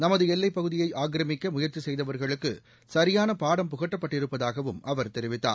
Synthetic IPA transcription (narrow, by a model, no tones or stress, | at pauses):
nɐmɐðɯɛlːɐɪpːɐɣɯðɪjɐɪʔaːk̬ɾɐmɪkːɐmʊjɐɾt͡ʃisɛjðɐʋɐɾɣɐɭɯkːɯ | sɐɾɪjaːnɐpaːɽɐmpʊɣɐʈːɐpːɐʈːɪɾɯpːɐðaːɣɐʋɯmʔɐʋɐɾt̪ɛɾɪʋɪt̪ːa̰ːn